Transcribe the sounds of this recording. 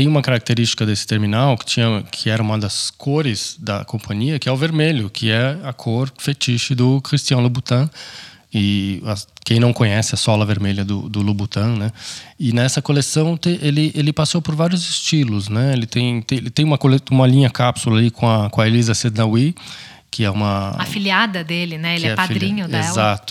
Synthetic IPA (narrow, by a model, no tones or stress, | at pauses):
t̪ẽj̃ũmɐkaɾak̚t̪eɾist͡ʃi̥kɐd̪esɪ̥t̪eɾminawkɪ̥t͡ʃĩɲɐkʰɪɛɾɐũmɐd̪ɐskʰoɾɪzd̪ɐ̰kõpʰɐ̃ɲiɐkɪɛʊveɾmeʎʊkʰɪɛɐkʰoɾfet͡ʃiʃɪd̪ʊkɾist͡ʃiɐ̃w̃lobut̪ɐ̃ | ɪɐkẽj̃nɐ̃w̃kõɲɛsɪɐsɔlɐveɾmeljɐd̪ʊ̰d̪ʊlobut̪ɐ̃nɛɪnɛsɐkolesɐ̃w̃t̪eʔelɪʔelɪpasowpoɾvaɾjʊzɪst͡ʃilʊznɛelɪt̪ẽj̃t̪ẽlɪt̪ẽj̃umɐkoleũmɐlĩɲɐkapsulɐalikʰõɐkõɐelizɐsed̪nawi | kɪɛũmɐafiliad̪ɐd̪elɪnɛelɪɛɛpad̪ɾĩɲʊdezat̪ʊ̥